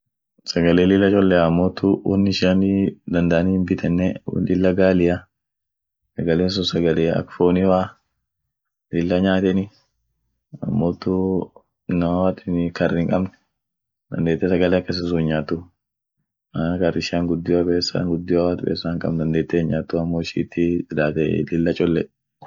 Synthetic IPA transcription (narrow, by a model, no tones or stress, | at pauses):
sɐɡɐleːlɪlːɐt͡ʃʼɔlːɛɐmːoːt̪ʊwɔ̰nːɪʃanid̪ɐnd̪ɐʔɐnihmbɪt̪ʰɛnːɛ̰lɪlːɐɡaːlɪja | sɐɡɐleːns̬ʊsɐɡɐleːɐ̰kfoːnɪwaː | lɪlːɐɲaːt̪ɛnɪ | ɐmːoːt̪ːʊ | nɐmɐwaːt̪ɪnkɐrːɪŋkʼɐbnɛ̥ | d̪ɐ̰nd̪eːt̪ːes̬ɐɡɐleɐkːɐs̬ɐs̬uɲːaːt̪ːu | akɐrːɪʃaːŋɡʊd̪ːɪjɐpʼeːsːa̰ŋɡʊd̪ːɪjɔwaːt̪ʊpʼḛːsaːŋkʼɐ̰mnd̪ɐnd̪eːt̪ːeːɲaːt̪ːuɐmːoːʃḭːt̪ːɪɪlaːt̪ɛ̰lɪlːɐt͡ʃʼɔlːɛ